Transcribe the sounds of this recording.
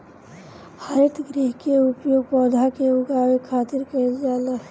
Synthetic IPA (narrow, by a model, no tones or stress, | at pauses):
haɾit̪ɡɾiɦkeupjoɡ̚pəd̪ʱakeuɡawekʰat̪iɾkəd͡ʒalaɦ